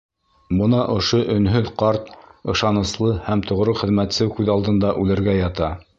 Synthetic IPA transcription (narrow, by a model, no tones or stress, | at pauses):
bɤ̆nɑʔŏʃoʔɵ̆nɦɵðqɑɾt̪ɤ̆ʃɑnɤ̆slˠɤhæmt̪ŏʁɾoχɘ̆ðmæt̪sɘwkʉðɑlˠd̪ɤ̆nd̪ɑʔʉlɘ̆ɾɡæjɑt̪ɑ